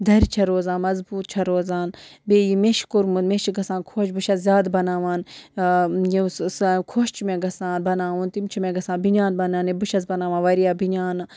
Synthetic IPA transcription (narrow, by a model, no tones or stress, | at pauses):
d̪ɐɾt͡ʃʰɐɾoːzaːnmɐzbuːt̪̚t͡ʃʰɐɾoːzaːnbeːjimeʃkuɾmunmeʃiɡɐsaːnkʰoːt͡ʃbuʃɐzzʲjaːd̪bɐnaːʋaːn | jisskʰoːʃt͡ʃʰimẽɡɐsaːnbɐnaːʋunt̪imt͡ʃʰimẽɡɐsaːnbiɲaːnbɐnaːnibuʃɐzbɐnaːʋaːnʋɐɾijaːbiɲaːn